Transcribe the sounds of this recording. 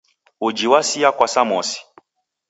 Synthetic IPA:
ud͡ʒiwasiakwasamɔsi̥

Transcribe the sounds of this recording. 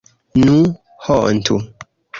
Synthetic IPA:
nũ | hɔʔn̩tʰṵ

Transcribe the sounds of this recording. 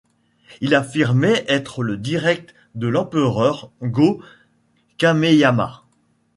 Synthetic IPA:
ilafiʁmɛʔɛt̪χələd̪iʁɛk̚t̪ | d̪əlɑ̃pəʁœʁɡo | kamejama̰

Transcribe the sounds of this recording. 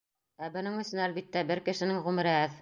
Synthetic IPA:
æbŏnɘŋɵ̆sɵnælβit̪ːæbɘɾkɘ̆ʃɘ̆nɘŋʁʉmɘ̆ɾɘɦɘð

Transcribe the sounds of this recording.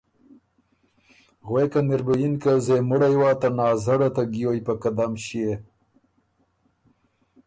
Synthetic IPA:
ɣwekanɪɾbajinkazemʊɽajwaːt̪anɑːzaɽat̪aɡijojpakad̪amʃije

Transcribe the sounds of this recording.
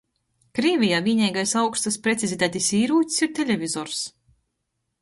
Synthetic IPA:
kɾiɛvʲijaːvʲiːnʲɛjɡajsawkst̪aspɾet̪sʲizʲit̪æːt̪ʲisiːɾuːt̪ʲsiɾt̪ʲelʲevʲizɔɾs

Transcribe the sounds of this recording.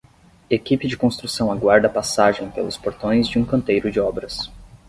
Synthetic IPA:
ekipɪd͡ʒɪkõst̪ɾusɐ̃w̃aɡwaɾd̪ɐpasaʒẽj̃pelʊspoɾt̪õj̃zd͡ʒɪũkɐ̃nt̪ejɾʊd͡ʒɪɔbɾɐs

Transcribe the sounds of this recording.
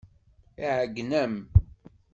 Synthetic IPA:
iʕəɡnəm

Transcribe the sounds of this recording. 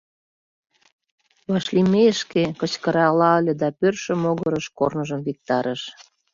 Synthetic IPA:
βɑʃlimeəʃkekə̆t͡ɕkəɾɑlɑəlʲĕd̪ɑpørʃə̆moɣəɾəʃkornəʒəmvik̚t̪ɑɾəʃ

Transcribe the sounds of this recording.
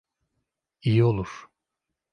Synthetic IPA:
ijio̞lˠuɾ̥

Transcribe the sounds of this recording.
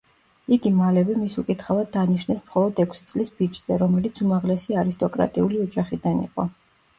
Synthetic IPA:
iɡimalɛvɛmisukʼit̪ʰχavad̪̚ːaniʃnɛsmχɔlˠɔd̪ɛkʷʰsit̪sʼlisbid͡ʒz̥ɛɾɔmɛlit̪sʰumaʁlɛsiaɾist̪ʼɔkʼɾa̰t̪ʼiuliɔd͡ʒaχid̪anḭqʼɔ

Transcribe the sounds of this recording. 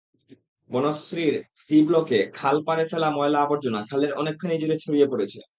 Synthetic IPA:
bonosɾiɾsiblokekʰalpaɾeɾfɛlamɔelaaboɾd͡ʑonakʰaleɾɔ̰nekʰːanid͡ʑuɾet͡ɕʰoɽijepoɾet͡ɕʰḛ

